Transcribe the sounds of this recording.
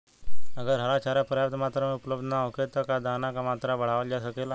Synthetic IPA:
əɡəɾɦəɾat͡ɕaɾjapɾəjap̚t̪mat̪ɾameupləbd̪ʱnaoket̪əkad̪anakamat̪ɾabəɽ̤aʋəld͡ʑasəkela

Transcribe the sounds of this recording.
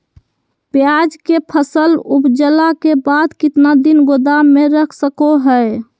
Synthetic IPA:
pjad͡ʒkepʰəsəlupd͡ʒəlakebad̪kɪt̪nad̪inɡod̪ameɾəkʰsəkoɦəe

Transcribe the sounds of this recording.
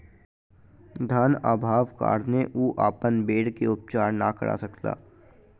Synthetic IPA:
d̪ʱaːnaːbʱaːʋka̰ːɾneʔuːʔaːpənbeːɽkeʊp̚t͡ʃaːɾnakə̰ɽʔa̰ːsɐkla̰ː

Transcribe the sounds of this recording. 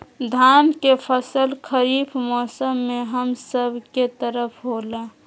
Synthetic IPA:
d̪ʱaːnkepʰəsəlkʰəɾiːbʰmɔːsəmːeɦəmsəbʱket̪əɾəpʰɦola

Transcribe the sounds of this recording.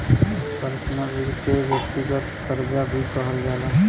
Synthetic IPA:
pəɾsnaʋɪɾkeʋjək̚t̪ɪɡət̪pəɾd͡ʒabʱipəɦəld͡ʒaːla

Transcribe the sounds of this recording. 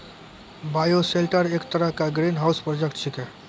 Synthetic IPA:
baːjoselʈəɾeːkt̪əɾəɦkaɡɾiːnɦaːʊspɾoːd͡ʒekʈʃʰɪkɛː

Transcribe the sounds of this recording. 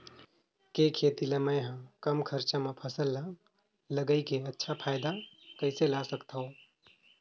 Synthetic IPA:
kekʰet̪ilemə̃jɦə̃kəmkʰəɾt͡ʃamẽpʰəsəlːa | ləɡəikeətːʃʰapʰaːɪd̪akəɪselasəkt̪aõ

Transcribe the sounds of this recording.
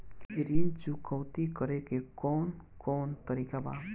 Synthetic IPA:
kkiɾint͡ʃukɔwt̪ikəɾekekɔːnkɔːnt̪əɾikaba̰

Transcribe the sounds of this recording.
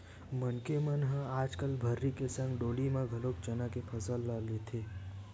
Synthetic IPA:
mənkemənɦə̃aːd͡ʒkəlbʱəɾːikesə̃ŋɡɖoːlimãɡʱəlok̚t͡ʃənakepʰəsəlːalet̪ʰeː

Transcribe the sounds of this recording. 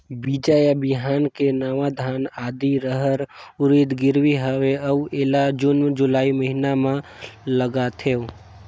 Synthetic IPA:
bid͡ʒajabɪɦaːnkenaːʋad̪ʱaːnaːd̪iɾəɦəɾʊɾid̪ɡɪɾwiɦəweəueːlad͡ʒʊnmd͡ʒʊlaːiməɦinamãləɡat̪ʰe

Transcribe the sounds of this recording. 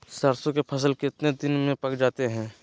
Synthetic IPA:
səɾsõkepʰɐs̬əlkɪt̪ned̪ɪnmẽpɐkd͡ʒaːt̪eɦɛ̃ː

